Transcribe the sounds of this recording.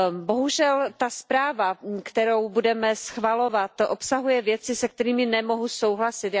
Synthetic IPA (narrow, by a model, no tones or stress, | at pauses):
bo̞ɦuʒɛlt̪aspɾaːvakt̪ɛɾo̞wbudɛmɛsxvalo̞vat̪ʔopsaɦujɛvjɛt͡sɪsɛk̚t̪ɛɾiːmɪnɛmo̞ɦuso̞wɦlasɪt̪